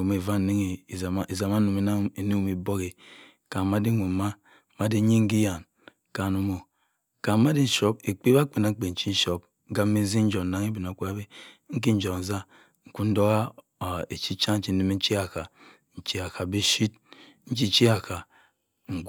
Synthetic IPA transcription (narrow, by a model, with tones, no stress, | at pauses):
u˨me˨va˦˨ne˦ŋe˨i˨za˨ma˦nu˨me˨a˦e˨nu˦˨mi˨bo˦ɣe˨ | ka˨ma˦di˦ŋʷu˨ma˦ | ma˦di˦ɲi˦ŋ̩˦ɡi˦ja˨n˨ | ka˨nu˦mo˨ | ka˨˦ma˦di˦n̩˦ʃo˦be˨k͡pe˦ba˦k͡pe˨na˨ŋ̩˦k͡pe˨n̩˨t͡ʃi˦n̩˦ʃo˦p̩̚˦ɡa˦e˦n̩˦zi˦n̩˦d͡ʒo˨na˨ŋi˦bi˨n˨o˨ko˦a˦be˦ŋ̩˦k̬i˦n̩˦d͡ʒo˨n̩˨za˦ | ŋ̩˨ku˦n̩˦do˦ɣa˦˨ | e˨t͡ʃi˦t͡ʃa˦t͡ʃi˦i˦me˦n̩˦t͡ʃi˦a˨ka˨ | n̩˨t͡ʃi˦a˨kʰa˨be˦ʃi˦t̚ | n̩˦t͡ʃi˦t͡ʃi˦a˨ka˨ | ŋ̩˨ɡ